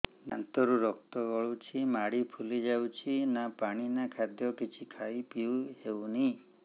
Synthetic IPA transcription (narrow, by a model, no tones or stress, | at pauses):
na̰nt̪ɔɾuɾɔk̚t̪ɔɡɔɭut͡ʃʰimaɽipʰulid͡ʒawt͡ʃʰinapaɽ̃inakʰad̪jɔkit͡ʃʰikʰajpiwewni